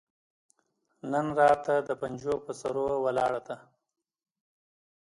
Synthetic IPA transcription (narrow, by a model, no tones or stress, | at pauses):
nənɾɑt̪ad̪əpand͡ʒopəsaɾowalɑɽad̪a